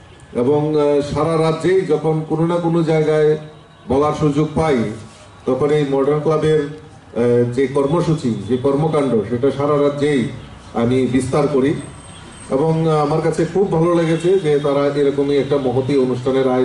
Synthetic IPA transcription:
eboŋʃaɾaɾad͡ʑejd͡ʑɔkʰonkononakonod͡ʑaeɡae | bɔlaɾʃud͡ʑoɡ̚paj | t̪ɔkʰonejmɔɾɖeɾnklabeɾ | d͡ʑekɔɾmoʃut͡ɕid͡ʑekɔɾmokaɳɖoʃeʈaʃaɾaɾadːd͡ʑej | a̰mibist̪aɾkoɾi | ḛboŋamaɾkat͡ɕʰekʰubbʱaloleɡet͡ɕʰed͡ʑet̪aɾaʔeɾɔkomiɛk̚ʈamɔɦot̪ionuʃʈʰaneɾa

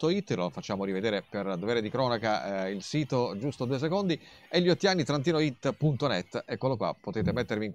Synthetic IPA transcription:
t̪oit̪ːlofat͡ʃːaːmoɾived̪eːɾeperd̪oveːɾed̪ikɾɔːnakailsiːt̪od͡ʒust̪od̪uːes̬ekond̪i | eʎːiɔt̪ːianːit̪ɾant̪̬iːnoit̪ːpunt̪onɛt̪ːɛkːolokwa̰pːot̪eːt̪emet̪ːeɾviŋ

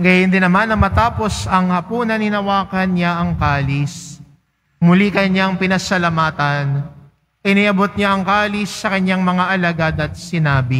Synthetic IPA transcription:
ŋɡɐjɪnd̪ɪnːɐmanːɐmɐt̪aːpo̞sɐŋhɐpuːnɐnɪnɐwaːkɐnɲaʔɐŋkaːlɪs | mʊlikɐɲaŋpɪnɐsɐlamaːt̪ɐn | ʔɪniʔɐbot̪̚ɲaʔɐŋkaːlɪsːɐkɐɲaŋmɐŋaʔɐlɐɡad̪ɐt̪̚sɪnaːbɪ

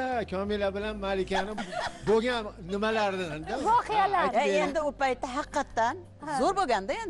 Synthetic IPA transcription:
akʲʰɒmɪlabɪlanmalɪkʲanɪboɡʲannɪmalaɾd̪ɪnd̪avɒqɪjalaɾend̪ɪʊpajt̪ːaɦɑqːɑt̪ːan | zoɾboɡʲand̪aend̪

